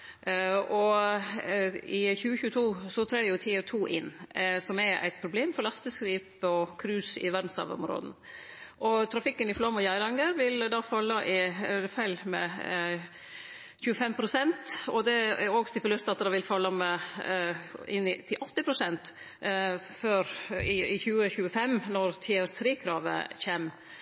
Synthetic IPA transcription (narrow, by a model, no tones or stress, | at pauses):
ɔ | ɪçʉːəçʉːət̪ʰuːsɔt̪ʰɾɑːjʊt̪ʰiːət̪ʰuːʔɪnsɔmæɾæ̰ɪt̪pʰɾʊbleːmfɔɾɭɑst̪əskɾiːpɔkʰɾʉːsɪ̰ʋæɾd̪n̩sɑ̰ʋɔ̰mɾo̰ːd̪n̩ | ʔɔt̪ʰɾɑfɪkːənɪflɔmɔjæɪɾɑŋɡəɾʋɪld̪ɑːfɑlːɑʔɪfæɪlmɛ̰ | çʉːəfɛmpʰɾʊsɛnt̪ɔd̪ɛæɾoːɡst̪ɪpʉleːɾt̪ɑt̪̚d̪ɑːʋɪlfɑlːɑmɛ | ɪ̰nːɪt̪ʰɪlʔɔt̪ːɪpʰɾʊsɛnt̪ | føɾɪɪçʉːəçʉːəfɛmnɔɾt̪ʰiːɛɾt̪ʰɾeːkʰɾɑːʋə̰çɛm